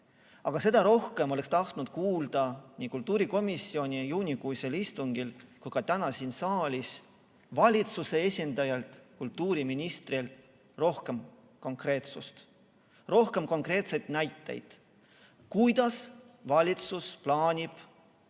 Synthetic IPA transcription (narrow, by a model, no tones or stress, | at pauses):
ɑɡ̥ɑse̞d̪̥ɑɾo̞hke̞mo̞le̞kst̪ɑht̪nud̪̥kuːld̪̥ɑnʲikult̪ːuːɾiko̞misːio̞nʲijuːnʲikujselist̪uŋɡ̥ilkujkɑt̪ænɑsinsɑːlʲis | vɑlʲit̪suse̞esʲind̪̥ɑjɑlt̪ˑkult̪ːuːɾiminʲist̪ril | ro̞hke̞m | ko̞ŋkre̞ːt̪sust̪ | ro̞hke̞mko̞ŋkre̞ːt̪sejt̪næjt̪ːˑḛjd̪̥ | kujd̪̥ɑsvɑlʲit̪susplɑːnʲib̥